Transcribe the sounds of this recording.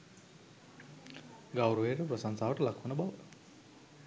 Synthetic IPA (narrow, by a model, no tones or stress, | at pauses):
ɡawɾuʋeɾəprosaŋsaːʋəʈəlakʰhunəbaʋə